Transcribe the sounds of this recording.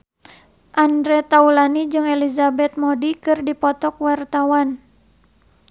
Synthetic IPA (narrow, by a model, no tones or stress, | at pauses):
ʔandɾɛt̪aulanid͡ʒɨŋelizabɛt̪̚modikɨrdipɔt̪ɔkwart̪awan